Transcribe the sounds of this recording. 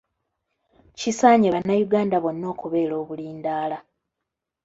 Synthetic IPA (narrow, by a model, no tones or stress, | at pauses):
cisaːɲiβanːajuɡaːndaβo̞nːo̞ːkuβe̞ːlo̞ːβuliːndaːla